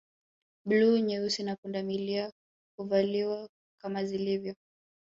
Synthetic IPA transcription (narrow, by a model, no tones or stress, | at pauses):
bluɲɛusinakundamilia | kuvaliwa | kamazilivjɔ